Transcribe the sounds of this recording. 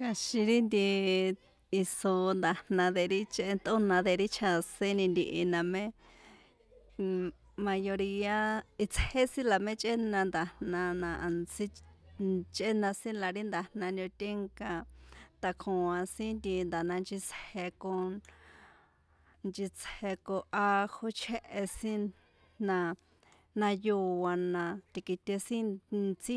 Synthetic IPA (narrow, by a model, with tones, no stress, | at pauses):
ka˧ʃĩ˧ɾi˦nd̪i˧ | i˧so˧nd̪a˨nã˧ðe˧ɾi˦t͡ʃt̪o˦nã˧ðe˧ɾi˦t͡ʃʰa˧sẽ˦nĩ˧nd̪i˧ʔi˧nã˧mẽ˦ | mã˧jo˧ɾi˧a˧i˧t͡she˦sĩ˦la˨mẽ˦t͡ʃʼʔe˦nã˧nd̪a˨nnã˧nã˧ʔa˨nsi˦ | t͡ʃe˦nã˧sĩ˦la˧ɾi˦nd̪a˨nã˧ndʲõ˧t̪ʲe˦ŋkã˧t̪a˧kʰõ˨˧ã˧sĩ˦nd̪i˧nd̪a˨nã˧nd͡ʒi˧t͡she˧ko˧ | nt͡ʃi˧t͡she˧ko˧ʔa˧ho˧t͡ʃʰe˦ʔe˧sĩ˦ | nã˧ | nã˧ju˧wa˧nã˧t̪i˧ki˧t̪ʲe˧sĩ˦t͡si˦